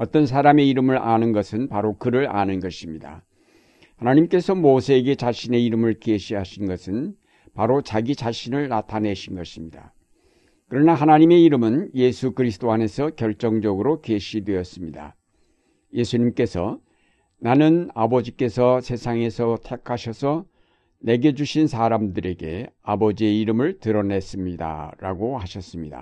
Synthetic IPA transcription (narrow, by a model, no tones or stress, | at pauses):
ʌt͈ʌnsʰaɾame̞iɾɯmɯɾʔanɯnɡʌsʰɯnpaɾokɯɾɯɾa̰nɯnɡʌɕʰimɲida̰ | hanaɲimk͈e̞sʰʌmosʰeːɡe̞t͡ɕaɕʰine̞iɾɯmɯɭkeɕʰiɦaɕʰinɡʌsʰɯn | paɾot͡ɕaɡit͡ɕaɕʰinɯɭnatʰane̞ɕʰinɡʌɕʰimɲida̰ | kɯɾʌnaɦanaɲime̞iɾɯmɯnje̞sʰukɯɾisʰɯ̥t͈oane̞sʰʌkjʌɭt͡ɕ͈ʌŋd͡ʑʌɡɯɾokeɕʰidwe̞ʌs͈ɯmɲida̰ | je̞sʰuɲimk͈e̞sʰʌ | nanɯnabʌd͡ʑik͈e̞sʰʌsʰe̞sʰaŋe̞sʰʌtʰekʰaɕʰʌsʰʌ | ne̞ɡe̞d͡ʑuɕʰinsʰaːɾamdɯɾe̞ɡe̞abʌd͡ʑie̞iɾɯmɯɭtɯɾʌne̞s͈ɯmɲida̰ɾa̰ɡohaɕʰʌs͈ɯmɲida̰